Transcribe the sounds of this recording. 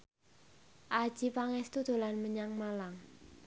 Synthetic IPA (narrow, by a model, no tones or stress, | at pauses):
ʔḁʒ̥ipaŋɛst̪ud̪̥o̤lanməɲaŋmalaŋ